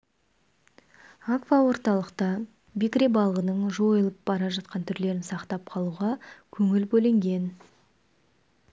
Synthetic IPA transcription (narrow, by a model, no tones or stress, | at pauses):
akvɑwo̞ɾt̪ɑlˠəqt̪ɑ | bikrʲebɑlˠʁənəɴʒo̞jəlˠəp̚bɑɾɑʒɑt̪̚qʰɑnt̪ʰʏɾle̞ɾɪnsɑqt̪ɑp̚qʰɑlˠuʁɑkʲʰɵŋɪlbɵlɪŋɡʲe̞n